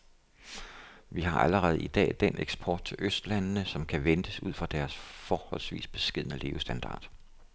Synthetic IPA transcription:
ʋiɦɑ̈ʔæləʁɛːð̞̩ˠid̥ɛ̰ːd̥enʔeɡ̥sb̥ʰɒ̰ːd̥̚t͡sʰe̝lʔøsd̥lænnəsɒ̽mkʰæʋend̥əsuð̞̰ˠfʁɑd̥æɐsfɒːhɒ̽l̰sʋḭːsb̥e̝̥sɡ̥eð̞̰ˠnəle̝ːʊsd̥ænd̥ɑ̰̈ːd̥

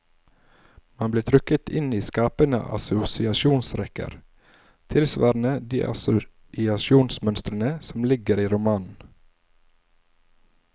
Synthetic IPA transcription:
mɑnbliːt̪ʰɾʏkət̪ɪniːskɑːpənə̰ʔɑ̰sʊsɪɑʃuːnsɾɛkə̰ɾ | t̪ʰɪlsʋɑ̰ːɾnəd̪iːʔɑ̰sʊ | ɪɑʃuːnsmœnst̪ɾənəsɔmlɪɡəɾiːɾʊmɑːnn̩

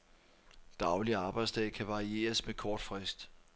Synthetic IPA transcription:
d̥ɑ̈ʊliɑ̈ːb̥ɑ̈ɪd̥sd̥ɛ̰ɪkʰæʋɑ̈ie̝̰ːɐsmekʰɒːd̥fʁɛsd̥

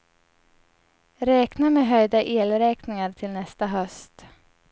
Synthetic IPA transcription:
ɾɛːknameːɦœjd̪aʔeːlɾɛːknɪŋaɾt̪ʰɪlnɛst̪aɦœst̪

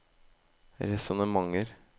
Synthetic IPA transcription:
ɾɛsɔnəmɑŋəɾ

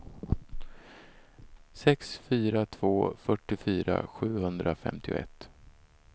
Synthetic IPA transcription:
sɛksfyːɾat̪ʰv̥oːfœʈːɪfyːɾa̰ɧʉ̟ːhɵnd̪ɾafɛ̰mt̪ʰɪʊ̰ʔɛ̰t̪ː

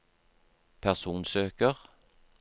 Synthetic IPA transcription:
pʰæʁsuːnsøːkəʁ

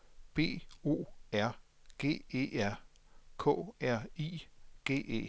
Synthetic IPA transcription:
b̥e̝̰ːo̝̰ːæɐ̰ɡ̥e̝̰ːe̝̰ːæɐ̰kʰɔ̰̽ːæɐ̰iːɡ̥e̝̰ːe̝̰ː

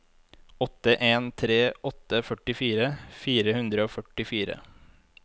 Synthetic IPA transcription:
ɔt̪əʔeːnt̪ʰɾeːʔɔt̪əfœʈɪfiːɾəfiːɾəhʉnd̪ɾəoːfœʈɪfiːɾə̰

